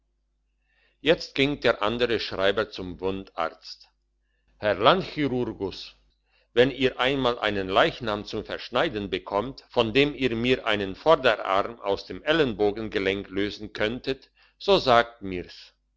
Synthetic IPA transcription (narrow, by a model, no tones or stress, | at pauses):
jɛt͡st̚ɡ̥ɪŋd̥eːɐʔa̰ndəʁəʃʁ̥aɪbɐt͡sʊmvʊnta̰ɐt͡st | hɛɐlantxiʁʊɐɡʊs | vɛniːɐʔaɪnmaːlʔa̰ɪnənlaɪçnaːmt͡sʊmfɛɐʃnaɪdn̩bəkʰɔmtfɔndeːmiːɐmiːɐʔa̰ɪnənfɔɐdəʔa̰ʁmʔa̰ʊsd̥eːmʔɛlənboːɡn̩ɡəlɛŋkløːzn̩kʰœntʰət | z̥oːzaːk̚tmiːs